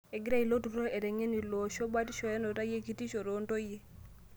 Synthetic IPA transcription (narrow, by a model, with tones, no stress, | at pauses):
e˨ɡi˦ɾa˦i˨lo˦tu˨ɾo˦e˨ɾɛ˨ŋe˦ni˨lɔ˨ʃo˦ba˦ti˦ʃɔ˨ɛ˦no˨ta˦je˦ki˦ti˦ʃo˨ɾo˦nto˦je˦